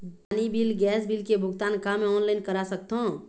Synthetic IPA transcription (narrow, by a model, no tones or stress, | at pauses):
panibilɡɛsbilkebʱuɡt̪ankameɔnlaɪnkəɾasəkt̪ɦõ